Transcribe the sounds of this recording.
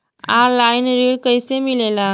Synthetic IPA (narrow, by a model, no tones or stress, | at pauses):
aɾlainɾiɽkəjsemilela